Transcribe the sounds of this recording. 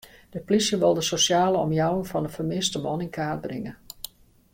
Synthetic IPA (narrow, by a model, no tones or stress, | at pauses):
d̥əplisjəʋɪlˠdəsosjaːləɔ̰mjawəŋfɑndəfərmɪstəmɔnɪnkʰaːd̚brɪŋə